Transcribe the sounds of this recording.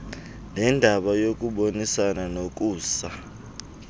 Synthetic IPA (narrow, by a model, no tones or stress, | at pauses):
nɛndʱaɓajok̬ʼuɓonisananok̬ʼuːsa